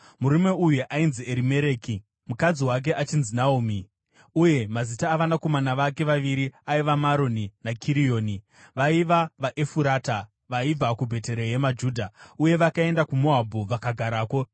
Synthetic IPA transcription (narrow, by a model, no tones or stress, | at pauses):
muɾime̞ujuʔainzieɾime̞ɾe̞ːki | mukad͡ziwak̬e̞ʔat͡ʃinzinaumi | uje̞mazitaːʋanako̞manaʋake̞ʋaʋiɾiaiʋamaɾoninakʰiɾijo̞ːni | ʋaiʋaʋaʔe̞fuɾaːta | ʋaib͡vakubʱe̞te̞ɾeje̞mad͡ʒuːdʱauje̞ʋakae̞ndakumoabʱuʋakaɡʱaɾaːko̞